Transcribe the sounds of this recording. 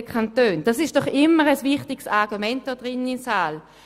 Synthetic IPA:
kʰantøːnd̥asɪʃtd̥ɔχɪmːəʁəsvɪχtɪɡsaʁɡumɛnt̚d̥ɔːd̥ʁɪnənimsaːl

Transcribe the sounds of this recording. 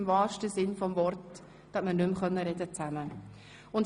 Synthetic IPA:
mvɑːɾʃtəsɪnfɔmvɔɾt | d̥ɑsmənʏmχœnːəɾɛdət͡sæmə | ʊnt

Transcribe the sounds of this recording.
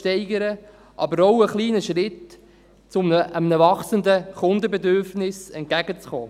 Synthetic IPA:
tɛɪɡəɾə | ʔɑ̰bəɾowəχliːnəʃɾɪt | t͡sʊməʔəmnəvɑχsənd̪əχʊnd̪əbɛd̪øɾfnɪsɛnt̚kæɡət͡sχɔː

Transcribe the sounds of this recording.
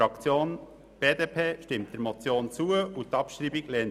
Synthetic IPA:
ɑkt͡sjoːn | b̥eːd̪eːpʰeːʃtɪmt̚d̥ɛɾmɔt͡sjoːnt͡suəutɑpʃɾibiɡlɛːn

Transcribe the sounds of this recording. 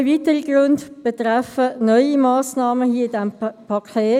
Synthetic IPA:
vitəʁiɡ̥ʁʊndb̥ɛt̪ʁɛfənɔʏimaːsnɑːməhiːəɪdɛmpʰɑkʰeː

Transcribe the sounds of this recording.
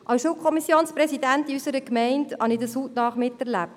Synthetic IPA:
ʔɑsʃulkʰχɔmisːjoːnspɾɛsidæntiysəɾəkmɛɪndhɑ̰nɪdəsuːtnɑːχmɪtːɛɾlæp̚t

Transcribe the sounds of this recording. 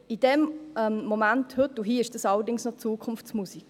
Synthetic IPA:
id̥ɛmɛmmɔmænthɵtːuɦiːɪʃd̥əsɑləɾdɪŋsnɔt͡suːkʰʊnft͡smusiɡ̥

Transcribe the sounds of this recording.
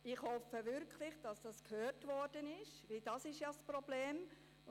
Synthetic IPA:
ɪχhɔfəvɪɾkʰlɪχd̥ɑsd̥ɑskʰhøːrtvɔrd̥ənɪʃʋɪld̥ɑsɪʃjasprɔb̥leːm

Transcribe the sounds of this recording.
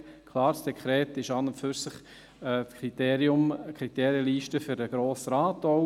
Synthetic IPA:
kʰlɑːɾsd̥ɛkʰχɾɛːtɪʃɑnəfyɾsɪχ | kʰriteːɾjʊmkʰɾit̪eːɾjəliːʃtəføɾəɡ̥ɾoːsɾaːtɔʊ

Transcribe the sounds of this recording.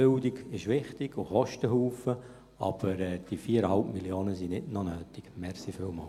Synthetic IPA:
ʏldɪɡɪʃʋɪχtɪɡ̥oχɔʃtəɦuːfə | ɑb̥əɾɛːd̥ifiːəɾəhalpmiljoːnəsinɪdnɔnøːtɪɡ̥mɛrsifylmɑl

